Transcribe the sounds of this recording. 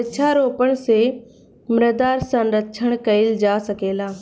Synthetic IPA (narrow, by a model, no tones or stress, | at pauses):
ɪt͡ʃʰaɾoːpəɽ̃̆se | mɾəd̪aːɾsãnɾɐtt͡ʃʰəɽ̃kɐɪld͡ʑaːsɐkeːlaː